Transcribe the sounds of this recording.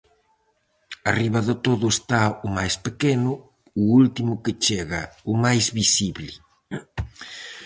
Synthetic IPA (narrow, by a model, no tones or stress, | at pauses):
ariβɐðet̪oðʊest̪aumajspekenʊː | ult̪imʊket͡ʃeɣaumajzβisiβlɪ